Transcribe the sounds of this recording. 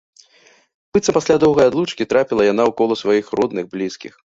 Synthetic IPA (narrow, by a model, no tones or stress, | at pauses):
b̥ɨt̪sɐpasʲlʲad̪ɔwɣɐjad̪lˠut͡ʂkʲit̪ɾapʲilˠɐjanawkɔlˠɐsvajixrɔd̪nɨɣblʲiskʲḭx